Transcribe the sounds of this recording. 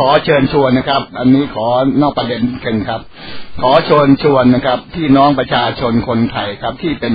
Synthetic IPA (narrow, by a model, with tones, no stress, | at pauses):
kʰɔː˩˦t͡ɕʰɤː˧nt͡ɕʰu˧ənːa˦˥kʰa˦˥p̚ʔa˧nːiː˦˥kʰɔː˩˦nɔː˥˩k̚pɾa˧de˧n˥˩kʰe˧nkʰa˦˥p̚ | kʰɔː˩˦t͡ɕʰo˧ənt͡ɕʰu˧ənːa˦˥kʰa˦˥p̚t̪ʰiː˥˩nɔː˦˥ŋpɾa˧t͡ɕʰaː˧t͡ɕʰo˧nkʰo˧nt̪ʰa˧jkʰa˦˥p̚t̪ʰiː˥˩pe˧n